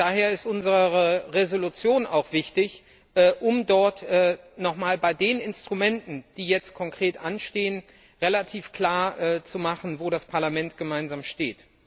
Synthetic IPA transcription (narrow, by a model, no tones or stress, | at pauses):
d̥aːɦeːɐɪstʔʊnzəʁəʁəʁezolut͡sjoːna̰ʊxv̥ɪçtɪç | ʔɛːʔʊmdɔɐtɛːnɔχmaːlbaɪdeːnɪnstʁ̥umɛntn̩d̥iːjɛt͡st̚kʰɔŋkʁ̥eːtʔanʃteːən | ʁelatʰiːfkl̥aːɐʔɛːt͡sumaχn̩voːɾaspʰaɐlamɛntɡ̥əmaɪnzaːmʃtḛːt